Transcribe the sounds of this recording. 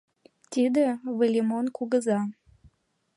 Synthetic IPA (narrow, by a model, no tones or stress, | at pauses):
t̪id̪eβəlʲimonkuɣəzɑ